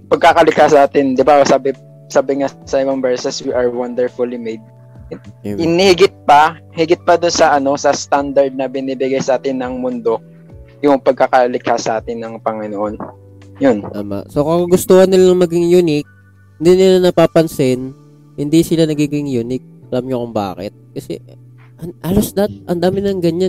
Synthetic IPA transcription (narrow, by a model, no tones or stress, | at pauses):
pɐɡ̚kakɐlɪkasaːt̪ɪnd̪ɪbasaːbɪ | saːbɪŋasɐʔɪbɐŋbɛɹsɛswiʔɐɹwand̪ɛɹfʊlimejd̪̚ | ɪnihɪɡɪt̪̚pɐ | hɪɡɪt̪̚pɐd̪ʊnsɐʔɐno̞sɐst̪and̪ɐɾd̪̚nɐbɪnibɪɡajsɐʔaːt̪ɪnːɐŋmʊnd̪o̞ | jʊŋpɐɡ̚kɐkalɪkʰhasʔaːt̪ɪnːɐŋpɐŋɪnoʔon | jont̪aːma̰ʔsokɐkɐɡʊst̪oːhɐnːɪlaɐŋmɐɡɪŋjunɪk̚ | hɪnd̪inɪlanɐpaːpɐnsɪn | hɪnd̪isɪlanɐɡiːɡɪŋjuːnɪk̚ʔɐlamɲokʊŋba̰ːkɛ̰t̪̚kɐsɛ̰ | ʔɐʔalosd̪ɐt̪̚ʔɐnd̪aːmɪnɐlɐŋɡɐɲa